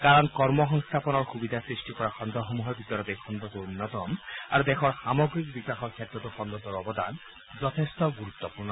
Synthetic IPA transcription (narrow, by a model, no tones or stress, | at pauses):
kaɹɔnkɔɹmɔɦɔŋst̪ʰapɔnɔɹxubid̪ʱasɹisʈikɔɹaxɔnd̪ʱɔxomuɦɔɹbit̪ɔɾɔt̪ejxʰɔnd̪ʱɔt̪uunːɔt̪ɔma̰ɹud̪exʰɔɹsamɔɡɹik̚bikaxɔkʰːet̪ɹɔt̪uxɔnd̪ɔt̪ɔɹɔbɔd̪an | zɔt̪ʰest̪ɔɡuɾut̪ːɔpuɹnɔ